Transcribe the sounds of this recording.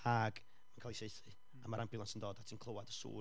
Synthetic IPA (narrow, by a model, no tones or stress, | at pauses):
aɡ | mankʰaːlˠisejθi | amaɾʔanbʰɪlˠansəndoːdatʰinkʰl̥ˠowadəsṵː